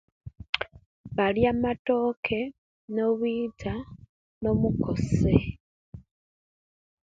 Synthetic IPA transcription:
βaljamato̞kʰe̞ | no̞βwiːtʰa | no̞muko̞se

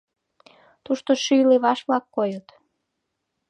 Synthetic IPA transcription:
t̪uʃt̪oʃyjleβɑʃβlɑkːojət̪

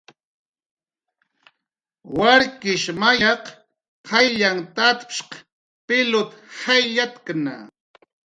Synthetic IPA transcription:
waɾkɪʃmajɑq | hajʎaŋt̪at̪pʃq | pɪlʊt̪hajʎat̪kna̰

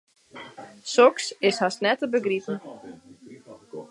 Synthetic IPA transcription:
sɔksɪshasnɛtəbəɡritn̩

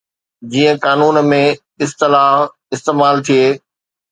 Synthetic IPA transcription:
d͡ʑiːə̃kaːnuːnmẽ | ɪst̪ɪlaɦ | ɪst̪eːmaːlt̪ʰijeː

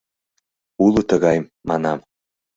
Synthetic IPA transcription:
ulˠut̪əɣɑjmːɑnɑm

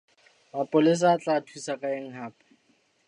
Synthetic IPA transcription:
mapʼʊlɪs̬aːt͡ɬʼaːtʰwisakʼaeŋ̩ɦaːpʼḁ

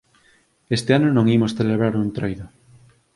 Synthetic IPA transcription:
est̪eanonõŋimosθeleβɾaɾunt̪ɾojðo

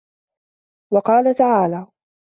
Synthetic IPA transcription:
wɑqɑːlat̪aʕaːlaː

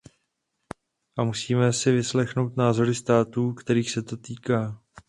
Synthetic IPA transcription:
ʔamusiːmɛsɪvɪslɛxno̞wt̪naːzo̞ɾɪst̪aːt̪uːkt̪ɛɾiːxsɛt̪o̞t̪iːkaː

